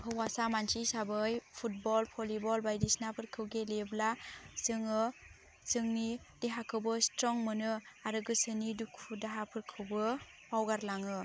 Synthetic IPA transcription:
hɯwasamansisabɯjpʰut̚bɔlpʰɔlibɔlbajdisnapʰɯɾkʰɯwɡeleblazɯŋɯ | zɯŋni | d̥eɦakʰɯwbɯstɾɔŋmɯnɯaɾɯɡɯsɯnidukʰudaɦapʰɯɾkʰɯwbɯ | pawɡaɾlaŋɯ

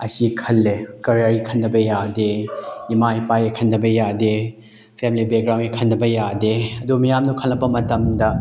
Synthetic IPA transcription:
ɐ̰sikʰɐlːekɐɾiaɾikʰɐnːɐbɐjadeimajpajɾikʰɐnːɐbɐjade | pʰemilibeɡɾaw̃nikʰɐnːɐbɐjadeɐdumijamnukʰɐlːɐpːɐmɐtɐmdɐ

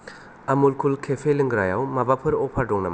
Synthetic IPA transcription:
amulkʰulkʰepʰeliŋɡɾajawmabapʰɯɾɔpʰadɔŋna̰m

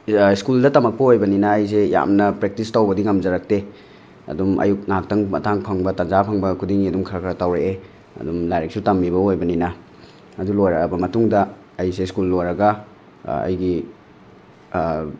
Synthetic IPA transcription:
skuldɐtɐmɐk̚pɐojbɐninɐːjs̬eja̰mnɐpɾek̚tistawbɐdiŋɐmd͡ʒɐɾak̚te | ɐ̰dumɐ̰juk̚nak̚tɐŋmɐ̰tʰaŋpʰɐŋbɐtɐnzapʰɐŋbɐkʰudiŋiɐdumkʰɾakɐtawɾeʔe | ɐ̰dumlajɾek̚sutɐmːiβɐojbɐninɐ | ɐdulojɾɐbɐmɐtuŋdɐː | jseskulːojɾɐɡɐ | ɐ̰jɡi

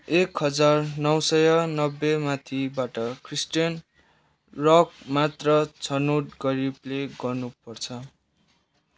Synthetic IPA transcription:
ekɦʌd͡zarnʌwsʌjʌnʌbːemat̪ʰibaʈʌkrisʈijʌn | rʌk̚mat̪rʌt͡sʰʌnoʈɡʌɾibleɡʌrnupʌrt͡sʰʌ

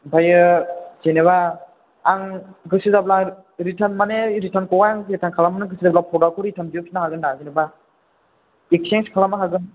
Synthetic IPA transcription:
bajɯseneβaː | ŋɡɯsɯzabla | ɾitʰanmaneɾitʰankɔwajaŋɾitʰankʰalamanɯɡɯsizablapʰɔdakʰuɾitʰamdijɯkʰinaɦaɡɯndazineba | ek̚seŋskʰalamaɦaɡɯn

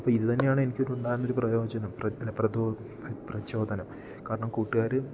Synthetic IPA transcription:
ɐpːɐːiðɨt̪ɐnːe̞jaːɳɨe̞nikʲːonuɳɖaːɾunːo̞ɾuprɐjo̞ːd͡ʑɐnɐmprɐɐprɐdo | prɐt͡ɕo̞ːd̪ɐnɐm | kaːɾɐɳɐmkuːʈːiɣaːɾɨ

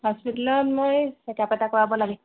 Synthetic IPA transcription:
hɔspitalɔnmojsɛtiapatakɔɹabɔlaɡɛ

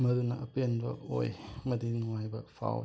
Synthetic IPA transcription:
mɐɾunɐʔɐpenbɐ̰o̰jmɐdinuŋajbɐpʰa̰w

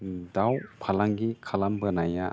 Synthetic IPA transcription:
dawpʰalaŋɡikʰalambɯnaja

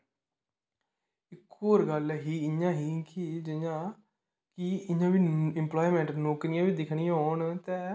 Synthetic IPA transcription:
ɪkʰːoːɾɡəlɦiːɪɲãːɦiːkid͡ʒɪjãː | kiɪɲãːʋiːɪmplaːiːmɛ̃ːɳʈnoːkɾɪjãːʋiːd̪ɪkʰɽ̃ijãːɦoːɳt̪ɛ̃ː

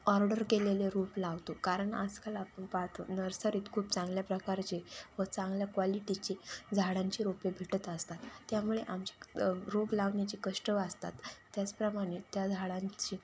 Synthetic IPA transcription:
ɔɾɖəɾkeleleɾuplaʋt̪okaɾəɳa̰d͡zkalaːpəɳpaɦt̪onəɾsəɾit̪kʰuːpt͡sãŋɡljapɾəkaɾt͡ɕeʋət͡sãŋɡljakʋaliʈit͡ɕed͡zʱaɽaɲt͡ɕiːɾopebʱiʈət̪əst̪at̪ːjamuɭeʔamt͡ɕḁɾoplaʋnjat͡ɕiːkəʂʈəʋəst̪a̰t̪ːjat͡spɾəmaɽ̃et̪jad͡zʱaɽãɲt͡ɕiː

